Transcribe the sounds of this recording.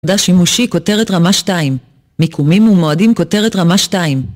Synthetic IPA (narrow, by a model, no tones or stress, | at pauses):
daʃimuʃiko̞te̞ʁetʁamaʃtaimː | ikʰumimumoadimko̞te̞ʁetʁamaʃtaim